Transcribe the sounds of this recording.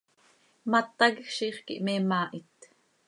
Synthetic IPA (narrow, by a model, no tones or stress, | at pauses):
mat̪ɑɣʃiːχkḭʔmemaːʔit̪